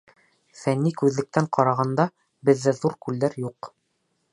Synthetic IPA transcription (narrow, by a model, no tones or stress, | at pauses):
fænːikʉðlɘ̆k̚t̪æɴqɑɾɑʁɑnd̪ɑ | bɘ̆ðːæðuɾkʉlːæɾjuq